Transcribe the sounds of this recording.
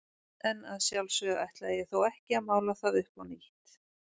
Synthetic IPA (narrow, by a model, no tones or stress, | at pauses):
ɛnaðsjawlsœɣa̰jht̪laðjɛθowɛhcɪamaːwlaθaðʏhpawniht̪